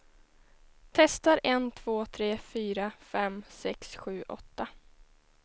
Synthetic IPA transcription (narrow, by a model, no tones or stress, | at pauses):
t̪ʰɛst̪aɾʔɛnt̪ʰv̥oːt̪ʰɾeːfyːɾafɛmsɛksɧʉ̟ːʔɔ̰t̪ːa